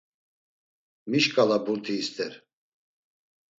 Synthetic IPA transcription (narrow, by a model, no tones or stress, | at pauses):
miʃkʼalabuɾt̪ʰiːst̪ʰʼɛɾ